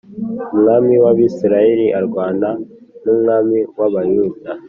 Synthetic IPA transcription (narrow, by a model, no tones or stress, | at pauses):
umŋaːmiwaβiːsiɾajeɾiʔaɾɡwaːna | numŋaːmiwaβajuda